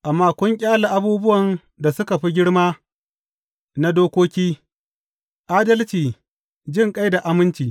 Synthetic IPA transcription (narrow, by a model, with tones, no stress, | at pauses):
ʔa˨mːaː˦kʷʊ˦ŋkʲʼaː˦la˨ʔa˨buː˦bʊ˦wɐ˨n | da˨sʊ˦ka˨ɸi˦ɡʲɪ˦ɽmaː˦ | na˦doː˦kʷoː˦kʲiː˦ | ʔaː˦dɐ˦lt͡ʃiː˨ | d͡ʒɪ˦˨ŋkʼa˦jda˨ʔa˨mɪ˦nt͡ʃiː˨